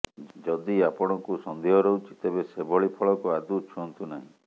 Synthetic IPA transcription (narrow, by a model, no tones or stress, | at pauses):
d͡ʒɔd̪iapɔɽ̃ɔŋkusɔnd̪ʱiɦɔɾɔut͡ʃʰi̥t̪ebesebʱɔɭipʰɔɭɔkuad̪ut͡ʃʰuɔnt̪unaɦĩ